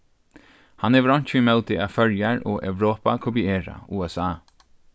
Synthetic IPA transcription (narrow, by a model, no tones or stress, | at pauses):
haneːʋəɾɔɲ̥çiːmɛlt̪ɪafœɹjaɹɔːʔɛwɾoːpakʰɔpieːɹa̰uːɛsaː